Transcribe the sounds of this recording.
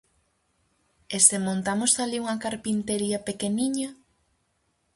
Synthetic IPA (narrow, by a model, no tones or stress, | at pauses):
esemõnt̪amost̪aliuŋɐkaɾpint̪eɾiɐpekeniɲɐ